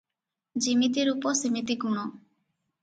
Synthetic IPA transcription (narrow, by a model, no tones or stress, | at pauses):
d͡ʒimit̪̬iɾupɔsimit̪iɡuɽ̃ɔ